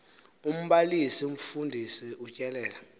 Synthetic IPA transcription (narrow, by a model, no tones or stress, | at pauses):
um̩ɓalisium̩fundʱisiut͡ʃʼɛlɛːla